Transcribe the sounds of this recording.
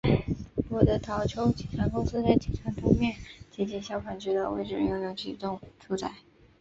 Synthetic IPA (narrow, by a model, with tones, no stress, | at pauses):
wɔ˨˩d̪ə˧˥t̪ʰɑ˧˥ʊt͡ɕʰjo˥ʊt͡ɕi˨˩ʈ͡ʂʰɑ˧˥ŋkʊ˥ŋsɹ̩˥t͡sa˥˩ɪt͡ɕi˨˥˩ʈ͡ʂʰɑ˧˥ŋt̪ʰʊ˧˥ŋmjɛ˥˩nt͡ɕjɛ˧˥t͡ɕjɛ˧˥ɕjɑ˥˩ʊkʰwa˨˩nt͡ɕʰy˧˥d̪ə˧wḛ˥˩ɪʈ͡ʂɻ̩˥˩˥jo˥˩jo˧˥ŋt͡ɕʰḭ˨˩t̪ʊ˥˧ŋʈ͡ʂʰu˥t͡sa˥˩ɪ